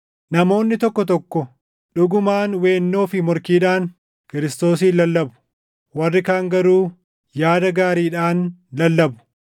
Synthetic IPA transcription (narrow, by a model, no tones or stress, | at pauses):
nɐmo̞ːnːɪt̪ɔkːɔt̪̬ɔkːɔ | ᶑʊɡʊmaːnwe̞ːnːo̞ːfɪmʊɾkiːᶑaːŋ | kɪɾɪst̪o̞ːsiːlɐlːɐbʊ̥ | wɐrːɪkaːŋɡɐɾuː | jaːd̪ɐɡaːɾiːᶑaːnlɐlːɐbʊ̥